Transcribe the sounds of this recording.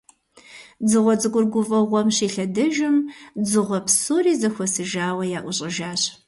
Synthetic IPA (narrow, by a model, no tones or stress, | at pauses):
d͡zɨʁʷɔd͡zɨkʷʼʊrɡʷʊvʼɐʁʷɔmɕiːɬɐdɐʒɪmd͡zɨʁʷɔpsuːriːzɐxʷɔsɨʒaːwɐjaːʔʷʊɕʼɪʒaːɕ